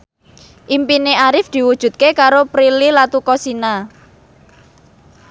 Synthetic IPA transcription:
ʔimpineaɾɪfd̪̥i̤wud̥ʒ̥ṳt̪̚kekaɾopɾililat̪ukɔsina

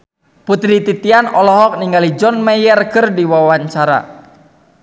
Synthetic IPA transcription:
put̪ɾit̪it̪ianɔlɔɦɔk̚niŋɡalid͡ʒɔnmɛjɛrkərdiwawaɲt͡ʃaɾa̰

